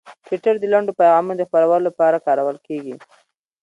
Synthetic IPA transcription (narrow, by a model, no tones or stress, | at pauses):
twɪʈəɾd̪əlaɳɖopajɣɑmunod̪əxpəɾawəlolapɑɾakɑɾawəlkeɡi